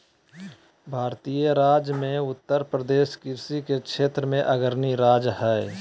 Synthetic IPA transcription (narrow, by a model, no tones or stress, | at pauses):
bʱaːɾt̪iːjəɾaːd͡ʒmẽʊt̪ːəɾpɾəd̪eːʃkɪɾsikekʰʃʰeːt̪ɾəmẽʔəɡəɾniɾaːd͡ʒɦɛː